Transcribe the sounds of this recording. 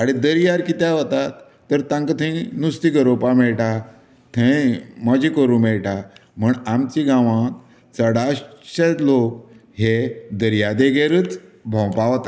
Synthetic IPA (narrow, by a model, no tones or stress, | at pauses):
aɽ̃id̪əɾjaɾkit̪jaʋət̪at̪ː | əɾt̪ãŋkət̪ʰẽnust̪iɡəɾopamɛɭʈa | t̪ʰẽməd͡ʑikəɾũmɛɭʈam̤əɳamt͡ɕiɡãʋãk | t͡səɽaɕɕelok̚hed̪əɾjad̪eɡeɾɨːt͡sbʱɔ̃wpaʋt̪a